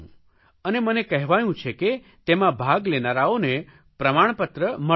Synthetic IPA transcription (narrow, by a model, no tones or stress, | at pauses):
ənemənekəɦʋajũt͡ʃʰeke | t̪emãbʱaɡlenaɾaone | pɾəmaɳ̃pət̪ɾəmə